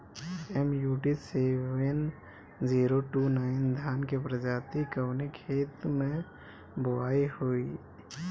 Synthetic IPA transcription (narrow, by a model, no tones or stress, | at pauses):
ɛmjuːʈiseʋən | d͡ʒiːɾoʈunaːɪnd̪ʱjaːnkepɾəd͡ʒaːt̪ikəʋnekʰeːt̪mẽ | boaːihoi